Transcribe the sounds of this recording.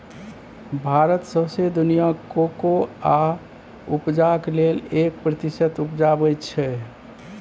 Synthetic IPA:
bʱaɾət̪səbsed̪unijakokoa | upd͡ʒaklelek̚pɾət̪isət̪upd͡ʒabəjtt͡ʃʰɛ

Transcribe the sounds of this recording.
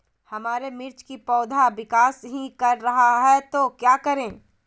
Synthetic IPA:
hɐmaːɾemɪɾt͡ʃkipɔːd̪ʱaʋɪkaːsɦikɐɾːɐɦaɦɛt̪oːkjaːkɐɾẽː

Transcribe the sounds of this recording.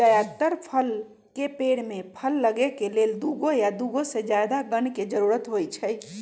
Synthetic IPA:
ajat̪əɾpʰəl | kepeɽmepʰəlːəɡekeleld̪uɡojad̪uɡosed͡ʒjad̪aɡənked͡ʒəɾuɾət̪ɦojt͡ʃʰəj

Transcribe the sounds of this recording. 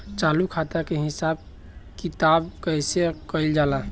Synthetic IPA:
t͡ʃaːlukʰat̪akeɦɪsab | kit̪aːbkəɪsekəɪld͡ʒaːla

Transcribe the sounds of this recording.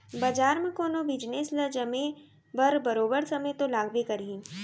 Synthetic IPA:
bɐd͡ʒaːɾmẽkoːnobɪd͡ʒneːsləd͡ʒɐmẽ | bəɾbɐɾoːbəɾsɐməjt̪olaːɡbekɐɾĩː

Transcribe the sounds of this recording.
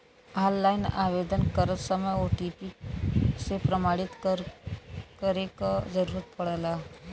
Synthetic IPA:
alːainaʋed̪ənkəɾət͡ssəməjoʈipi | sepɾəmaɽit̪ɾ | kəɾekd͡zəɾuɾət̪̚pəɽla

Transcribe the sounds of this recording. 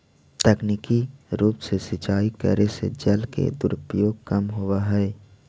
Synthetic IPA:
t̪ɛknikiɾuːpsesɪt͡ʃaːikə̰ɾesḛd͡ʒəlkḛd̪ʊɾʊpɾjoːɡ̚kəmɦʊwaɦɛː

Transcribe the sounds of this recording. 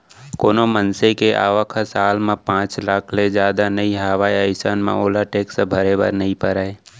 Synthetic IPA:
koːnomənsekeʔa̰ːʋəkʰasaːlmẽpãːt͡ʃlaːkʰled͡ʒjaːd̪anɐiɦəʋaːjəɪsanmḛ̃oːlaʈeːksebʱɐɾebə̰ɾnəɦĩpəɾaːeː

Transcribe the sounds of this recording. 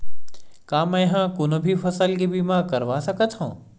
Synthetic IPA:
kaːmə̃ɦãkʊnobʱifʰɐsəlkebiːmãkəɾʋasəkət̪ɦõ̰ː

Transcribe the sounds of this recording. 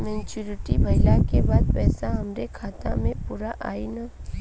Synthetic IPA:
mɛ̃ːɲt͡ʃuːɾɪʈibʱɐɪlakebaːd̪̚pɛːsaɦɐmɾekʰaːt̪ã̰mẽpuːɾaʔa̰ːinaː

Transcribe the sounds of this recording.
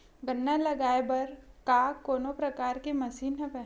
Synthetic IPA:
ɡɐnːalɐɡaːebɐɾkaːkːoːnopɾɐkaːɾkemɐsiːnɦɐ̃pɛ

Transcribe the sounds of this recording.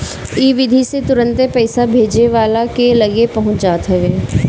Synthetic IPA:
iːʋɪd̪ʱiset̪ʊɾə̃nt̪epɛːsabʱeːd͡ʒeʋaːlakelɐɡepɐɦʊ̃t͡ʃd͡ʒaːt̪ɦɛʋẽː

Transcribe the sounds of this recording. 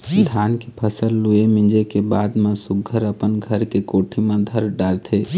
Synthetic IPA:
ɖʱankepʰəsəlːuemĩd͡ʒekebad̪mẽsuɡʱːəɾəpənɡʱəɾkekoʈʰimẽd̪ʱəɾɖaɾt̪ʰe

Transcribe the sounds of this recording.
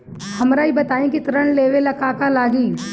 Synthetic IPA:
hɐmɾaːibɐt̪aːĩkit̪ɾəɳ̃leːʋelɐkaːkalaːɡĩː

